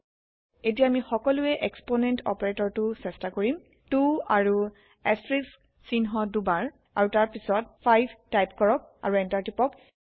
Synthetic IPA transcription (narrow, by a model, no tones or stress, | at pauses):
etijaamixɔkɔlʊɛʔeksponɛntɔ̰paɹetɔɹtusɛstakoɹim | tuaɹu | ɛstɹisk | sinɦɔdubaɹ | aɹutaɹpisɔt̚pʰajbʱtajpkɔɹɔk̚a̰ɹuɛntaɹtipɔk